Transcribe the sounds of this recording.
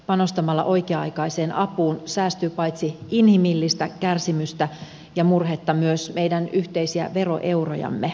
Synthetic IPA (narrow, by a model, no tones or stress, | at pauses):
pɑno̞st̪ɑmɑlːɑ̰ʔo̞jkeɑɑ̰jkɑjse̞ːnʔɑpuːnsæːst̪yːpɑjt̪siinhimilːist̪ækærsimyst̪æ | jɑmurɦet̪ːɑmyøsme̞jdænyht̪ejsiæ̰ʋe̞ro̞̰ʔe̞wro̰jɑ̰mːe